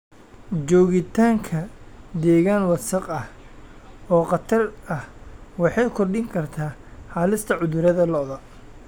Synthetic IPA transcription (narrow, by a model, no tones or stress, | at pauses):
d͡ʒɔːɣɪt̪ʰaːŋkʰɐd̪ɛːɣaːnwɑsɐqɐh | ɔːqɑt̪ʰɐrɐhwɑħɑjkʰɔrɖɪŋkʰɐrt̪ʰaːhɑːlɪst̪ʰɐʕʊðʊɾɐðɐlɔðɐ